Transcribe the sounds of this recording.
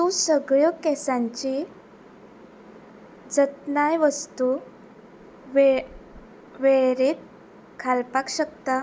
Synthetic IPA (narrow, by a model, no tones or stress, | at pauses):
t̪usəɡɭəkɛsãɲt͡ɕi | d͡zət̪najʋəst̪u | ʋ | ʋeɾet̪̚ | kʰalpakɕəkt̪a